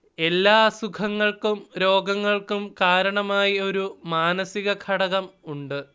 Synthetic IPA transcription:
e̞lːaːsukʰɐŋːɐɭkumɾo̞ːɡɐŋːɐɭkumkaːɾɐɳɐmaːjio̞ɾumaːnɐsiɣɐkʰɐɽɐɣɐmuɳɖɨ

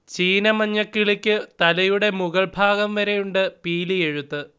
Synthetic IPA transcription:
t͡ɕiːnɐmɐɲːɐkːiɭikʲːɨt̪ɐlɐjuɽe̞muɣɐɭbʱaːɣɐmʋɐɾe̞juɳɖɨpiːlie̞ɻut̪ːɨ

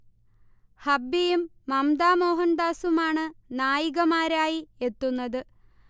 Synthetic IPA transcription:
hɐbːijumːɐmd̪aːmo̞ːɦɐnd̪aːsumaːɳɨnaːjiɣɐmaːɾaːjie̞t̪ːunːɐðɨ

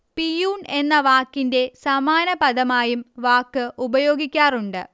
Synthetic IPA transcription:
pijuːne̞nːɐʋaːkːinde̞sɐmaːnɐpɐd̪ɐmaːjumʋaːkːɨubɐjo̞ːɡikʲːaːruɳɖɨ

